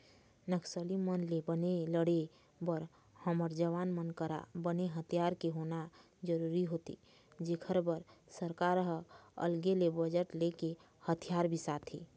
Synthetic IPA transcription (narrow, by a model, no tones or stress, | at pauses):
nəksəlimənlebəneləɽe | bəɾ | həməɾd͡ʒəʋaːnmənkəɾa̰bəneɦət̪ʰjaːɾkeɦona | d͡ʒəɾuɾiɦot̪ḭ | d͡ʒekʰəɾbəɾsəɾkaɾɦə̰lɡelebəd͡ʒəʈleke | hət̪ʰijaɾbʱisat̪ʰḭ